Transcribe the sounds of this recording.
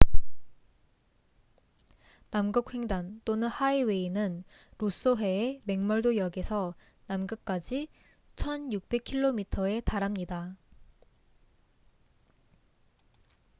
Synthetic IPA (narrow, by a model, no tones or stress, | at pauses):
namɡɯk̚we̞ŋdant͈onɯnhaeweinɯn | ɾos͈oɦwe̞eme̞ŋmʌɭdojʌɡesʰʌ | namɡɯk̚k͈ad͡ʑi | t͡ɕʰʌnjuk̚p͈e̞kʰiɭːomitʰʌe̞taɾamɲida